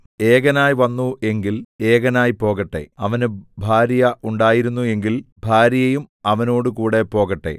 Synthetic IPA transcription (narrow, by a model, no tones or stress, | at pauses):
e̞ːɣɐnaːjʋɐnːue̞ŋɡile̞ːɣɐnaːjpo̞ːɣɐʈːe̞̰ɐʋɐnɨbʱaːɾjɐʔuɳɖaːjiɾunːue̞ŋɡilbʱaːɾjɐjumɐʋɐno̞ːɽɨkuːɽe̞po̞ːɣɐʈːe̞̰